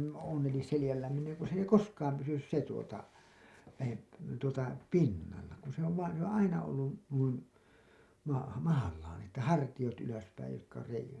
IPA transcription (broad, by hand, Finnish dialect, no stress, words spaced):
on̞ elis selĭjælːæːn niːn ei ku s ei koskɑːm pysys se tuotɑ læhep tuotɑ pinːɑlːɑ kun se oʋ ʋɑːn̞ se on ɑinɑ olːu nuin mɑ mɑhɑlːɑːn etːæ hɑrtij̆ot yløspæij jotkɑ se